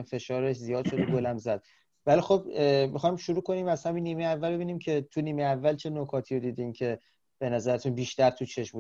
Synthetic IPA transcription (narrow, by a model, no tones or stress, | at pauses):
mfe̞ʃɒːɾeʃzijɒːd̪ʃo̞d̪oɡolæmzæd̪̥ | vælixo̞b̚mixɒjmʃuɾuːko̞niːmæz̥hæmiːnːiːmejeævːælbe̞biːniːmcʰe̞t̪ʰuniːmejævːælt͡ʃʰe̞nokʰɒːt̪ʰiːɾod̪iːd̪incʰe̞ | b̥e̞næzæɾæt̪ʰunbiːʃt̪æɾt̪ʰut͡ʃʰe̞ʃmbu